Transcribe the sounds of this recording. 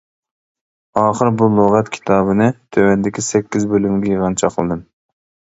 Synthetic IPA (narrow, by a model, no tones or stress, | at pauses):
ɑːχəɾbulˠoʁɛt̪kʲʰi̥t̪ʰɑːbɨnɨt̪ʰøwɛnd̪ɪkʲʰisɛkʲːizbølymɡʲɛjiʁɑnt͡ʃʰɑqəlˠɨd̪ɨm